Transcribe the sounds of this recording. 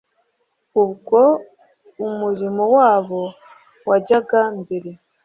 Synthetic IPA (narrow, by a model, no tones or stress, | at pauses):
ubɡo̞ | umuɾimowaːβo̞ | waɟaɡambeɾe̞